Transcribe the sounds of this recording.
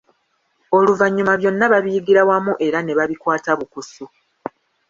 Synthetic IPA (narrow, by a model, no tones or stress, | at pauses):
o̞luvaɲːumaβjo̞nːaβaβijiɡiɾawamuʔe̞ɾane̞βaβikwaːtaβukusu